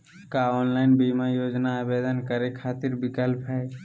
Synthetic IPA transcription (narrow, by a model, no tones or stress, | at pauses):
kaɔːnlaɪnbimajoːd͡ʒnaəbed̪ənkəɾekʰat̪iɾbɪkəlpɦɛː